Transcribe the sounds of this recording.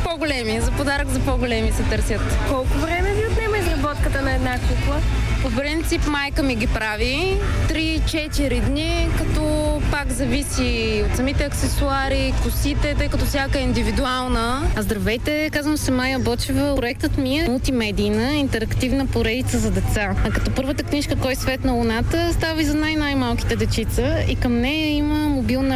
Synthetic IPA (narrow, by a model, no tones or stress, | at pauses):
pɔɡolɛmizɐpod̪aɾəkzɐpɔɡolɛmisɛt̪ɤɾsʲjət̪kɔlˠkʊvɾɛmɛviot̪nɛmɐizɾɐbɔt̪kət̪ənɐɛd̪nakuklˠəpopɾint̪sipmajkəmiɡʲipɾavit̪ɾit͡ʃɛt̪iɾid̪nikɐt̪ɔpakzɐvisiot̪sɐmit̪ɛɐksɛsuaɾikʊsit̪ɛt̪ɤjkɐt̪ɔfsʲjakəɛind̪ivid̪ualˠnəɐzd̪ɾɐvɛjt̪ɛkazvəmsɛmajəbɔt͡ʃɛvəpɾoɛk̚t̪ət̪miɛmɐlˠt̪imɛd̪iːnəint̪ɛɾɐkt̪ivnəpoɾɛd̪it̪səzɐd̪ɛt̪sakɐt̪ɔpɤɾvət̪əkniʃkəkɔjsvɛt̪nɐlʊnat̪əst̪avizɐnajnajmalˠk̟i̥t̪ɛd̪ɛt͡ʃit̪səḭkɐmnɛjəiməmobilˠnə